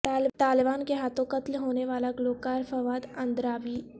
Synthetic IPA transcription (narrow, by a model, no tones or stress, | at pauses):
t̪aːlɪbaːnkeɦaːt̪ʰõkɐt̪lɦoːneʋaːlaɡloːkaːɾfɐʋaːd̪ɐ̃nd̪ɾaːbiː